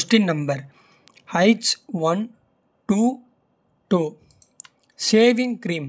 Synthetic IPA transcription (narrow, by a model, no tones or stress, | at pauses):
sʈĩnnɐ̃mbɐɾ | hɐɪʈsʋɐ̃n | ʈuː | ʈuː | seːʋɪ̃ŋkɾĩːm